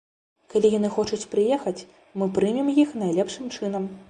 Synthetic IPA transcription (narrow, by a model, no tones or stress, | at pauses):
kalʲijanɨxɔt͡ʂut͡sʲpɾɨjɛxɐt͡sʲ | mɨpɾɨmʲimjixnajlʲɛpʂɨmt͡ʂɨn̪ɐm